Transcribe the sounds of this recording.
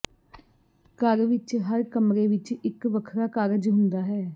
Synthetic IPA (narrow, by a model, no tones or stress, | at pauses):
kəɾʋɪt͡ʃɦəɾkəmɾeːʋɪt͡ʃɪkʋəkʰɾaːkaːɾəd͡ʒɦʊ̃nd̪aːɦɛː